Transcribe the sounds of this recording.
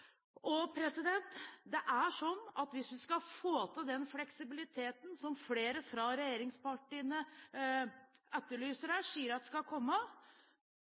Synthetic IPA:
ʔɔpʰɾɛsɪd̪ɛnt̪d̪ɛʔæʂɔnːɑt̪ʋɪsʋɪskɑfoːt̪ʰɑd̪ɛnflɛksɪbɪlɪt̪ʰeːt̪nsɔmfleːɾəfɾɑɾɛjeːɾɪŋspɑʈːɪːnə | ɛt̪ːəɭyːsəɾhæːʂiːəɾɑt̪ːskɑkʰɔmːə

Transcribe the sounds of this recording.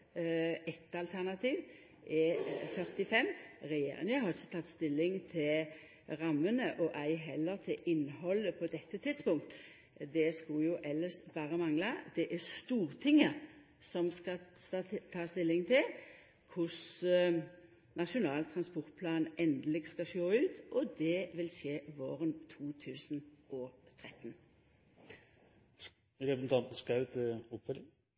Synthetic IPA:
ɛt̪ɑlt̪ʰæʁnɑt̪ʰiːʋ | ʔɛfœʁt̪ɪfɛmːʁɛjḛːɾɪ̰ŋəɦɑʁɪçə̥t̪ʰɑt̪ːst̪ɪlːɪŋt̪ʰɪl | ʁɑmːənəʔɔʔæɪɦɛlːəɾt̪ʰɪlʔɪnːɦɔlːəpʰɔd̪ɛt̪ːət̪ʰɪd̪̥spʊŋk̚t̪ | d̪ɛskʊjʊʔɛlːəsbɑːʁəmɑŋlɑd̪̥ɛʔɛst̪uːʁt̪ʰɪŋːə | sɔmskɑ | t̪ʰɑːst̪ɪlːɪŋt̪ʰɪl | kʰʊs | nɑʂʊnɑːlt̪ʰɾɑnspɔʁt̪̚pʰlɑːnʔɛnd̪əlɪɡskɑʃoːʉːt̪ʔɔd̪ɛʋɪlʂeːʋoːɾənt̪ʰuːt̪ʰʉːsənʔɔt̪ʰɾɛt̪ːn | ɾɛpɾəsn̩t̪ʰɑnt̪n̩skɑʉt̪ʰɪʊpfœlɪŋ

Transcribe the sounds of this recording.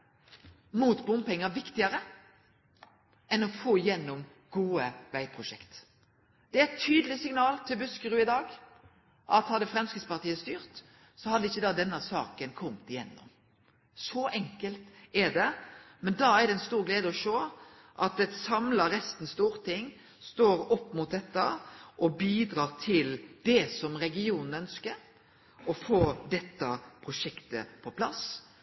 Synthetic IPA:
muːt̪bʊmpɛŋːəʋɪkt̪ɪəɾə | ɛnɔfoːɪjɛnːʊm | ɡ̥uːəʋæɪpʰʁʊʃɛ̰kt̪ | d̪̥ɛæɛt̪ʰːyːd̪əlɪsɪŋnɑːlt̪ʰɪlbʉskəɾʉːɪd̪ɑːɡ | ʔɑt̪hɑd̪ɛfɾɛmskəspɑʁt̪iːəst̪yːʁt̪ | sɔhɑd̪əɪçːəd̪ɑːd̪ɛnːəsɑ̰ːkənkʰɔmt̪ɪjɛ̰nːʊ̰m | sɔʔɛŋkəlt̪ɛɖ̪ɛmɛnd̪ɑːæɾɖ̪ɛɛnst̪uːɾɡleːd̪əɔʃoː | ʔɑt̪ɛt̪sɑmlɑɾɛst̪n̩st̪uːɾt̪ʰɪŋː | st̪oːɾɔpːmʊt̪̚d̪ɛt̪ːəʔɔbiːd̪ɾɑːʁt̪ʰɪld̪̥ɛsɔmɾɛɡɪuːnn̩œnskəɾ | ɔfoːd̪ɛt̪ːəpʰɾʊʂɛkt̪ə̰pʰɔpʰlɑs

